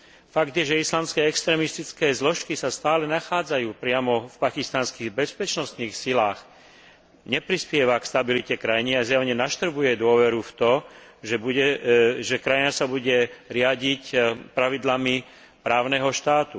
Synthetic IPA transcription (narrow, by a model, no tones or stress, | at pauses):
faɡd̪jɛʒɛislaːmskɛːɛkst̪ɾɛːmist̪it͡skɛːzlɔʃkisast̪aːlɛnaxaːd͡zajuːpɾɪamɔfpakist̪anskiɣbɛspɛt͡ʃnɔst̪niːxsilaːx | ɲɛpɾispɪɛʋakst̪abilicɛkɾajɲiazjaʋɲɛnaʃt̪r̩bujɛd̪ʊɔʋɛɾuft̪ɔʒɛbuɛʒɛkɾajinasabuɟɛɾɪaɟicpɾaʋid̪lami | pɾaːʊnɛɦɔʃt̪aːt̪u